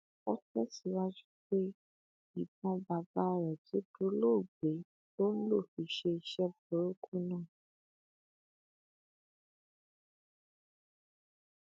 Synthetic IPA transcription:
ɔ˦tɛ˦si˨˦wa˦d͡ʒu̥˦k͡pe˦ | i˨bɔ̃˧ba˧ba˦˧ɾɛ˨ti˨˦do˦lo˦˨ɡ͡be˨˦ | bo˦n̩˦lo˦˨fi˧˦ʃe˧i˨ʃɛ˦bo˨˦ɾo˦kʰũ˦nãː˦˨

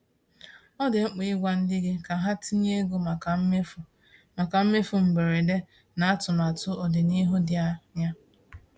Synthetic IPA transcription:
ɔ˦dɪ˨˦m̩˦k͡pi˨ɪ˦ɡʷa˦n̩˦dɪ˦ɡɪ˦ka˨ɦa˦ti˦ɲe˦ɡo˨ma˨ka˨m̩˦me˦fʊ˨ | ma˨ka˨m̩˦me˦fʊ˨ŋ͡m̩˨ɡ͡be˨ɾe˨de˦ | na˨a˦tʊ˨ma˨tʊ˦ɔ˨dɪ˨ni˦ɦʊ˦dɪ˨a˦ɲa˦

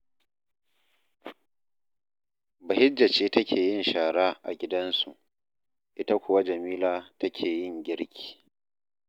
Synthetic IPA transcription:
bɐ˨hɪ˦d͡ʒːɐ˨t͡ʃeː˦tɐ˦kʲʰeː˨jɪ˦nʃaː˨ɽaː˦ʔa̰˨ɡʲɪ˦dɐ˦nsu˨ʔ | ʔɪ˦ta˦kʷʊ˨wa˦d͡ʒɐ˨miː˦laː˦tɐ˦kʲʰeː˨jɪ˦˨ŋɡʲɪ˦ɽkʲʰi̥ː˦

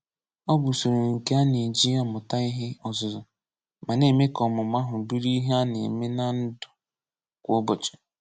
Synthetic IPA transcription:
ɔ˦bʊ˨so˨ɾo˨ŋ̩˨ke˦a˦ni˨d͡ʒi˦ɔ˦mʊ˨ta˦ɪ˦ɦɪ˦ɔ˨zʊ˨zɔ˨ | ma˨ne˨me˦kɔ˨mʊ˨ma˦ɦʊ˨bi˦ɾi˦ɦa˦ne˨me˦na˦n̩˦dʊ̥˨ | kʷɔ˦bʊ˨t͡ʃɪ̥˨

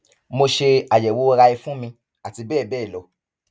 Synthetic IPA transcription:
mo˧ʃe˧a˨jɛ˨wo˨˦˧ɾa˧i˧fũ˦mĩ˧ | a˨ti˧bɛː˦˨bɛː˦˨lɔ˧

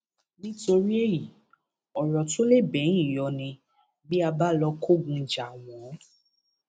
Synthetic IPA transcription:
nĩ˦to˧ɾi˦e˦ji˨ | ɔ˨ɾɔ˨to˦le˦˨bɛ˨˦ĩ˦˨jɔ˨˧nĩ˧ | bi˦a˧ba˦lɔ˧kʰo˦ɡũ˧˨d͡ʒa˨w̃ɔ̃˨˦

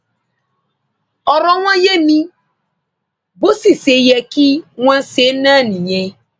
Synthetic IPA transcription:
ɔ˨ɾɔ˦ŋʷa˦je˦mi˦ | bo˦si˨se˨jɛ˦ki˦ŋʷa˦n̩˦se˨˦na˦˨ni˨ɲe˦

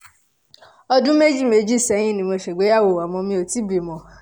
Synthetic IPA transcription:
ɔ˧dũ˦me˦d͡ʒi˦˨me˧d͡ʒi˦˨sɛ˨˦j̃ĩ˦˨nĩ˧mo˧ʃe˨ɡ͡be˨˦a˦˨wo˨wa˨mɔ̃˧mĩ˧o˨ti˨˦bi˨mɔ̃˨

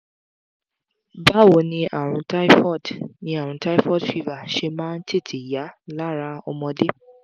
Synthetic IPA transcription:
ba˦˨wo˨nĩ˧ʔa˦˨ɾ̃ũ˨˧ta˦i˦fɔ˦˨dnĩ˧a˦˨ɾ̃ũ˨˦ta˦i˦fɔ˦˨dfi˦va˨ʃe˧mãː˦n̩˦tʰe˦˨tʰi˨ja˨˦la˦ɾa˧ɔ˧mɔ̃˧de˦

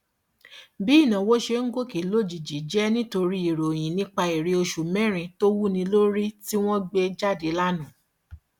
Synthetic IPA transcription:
bi˨˦˨nã˨˦wo˦ʃe˧ŋ̩˦ɡo˦˨ke˨lo˦d͡ʒi˨d͡ʒi˨d͡ʒɛ˦nĩ˦to˧ɾi˦i˨ɾo˨j̃ĩ˨nĩ˦k͡pa˧i˨ɾi˧o˧ʃu˨mɛ̃˦ɾ̃ĩ˧to˦wu˦nĩ˧lo˦ɾi˦ti˦w̃ɔ̃˦ɡ͡be˧d͡ʒa˦˨di˧la˦nũ˨

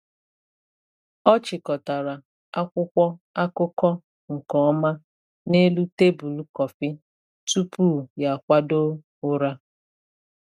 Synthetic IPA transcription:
ɔ˦t͡ʃɪ˨kɔ˨ta˨ɾa˨ | a˦kʷʊ˦kʷɔ˦a˦kʊ˦kɔ˦ | ŋ̩˨kɔ˨ɔ˦ma˦ | ne˦lu˦te˦bu˨lu˦kɔ˨fɪ˦ | tu˦pʰu˦˨ja˨a˨kʷa˦do˦ | ʊ˨ɾa˦

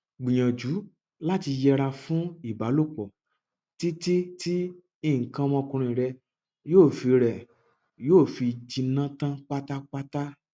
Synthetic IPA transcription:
ɡ͡bĩ˨j̃ã˨d͡ʒu˨˦ | la˦ti˧jɛ˧ɾa˧fũ˨˦i˦˨ba˨˦lo˦˨k͡pɔ˨ | ti˦ti˦ti˦ | i˦˨kã˧mɔ̃˧kũ˧ɾ̃ũ˧i˨ɾɛ˧ | joː˦˨fi˧ɾɛ˨ | joː˦˨fi˧d͡ʒi˧nã˦tã˦k͡pa˦ta˦k͡pa˦ta˦

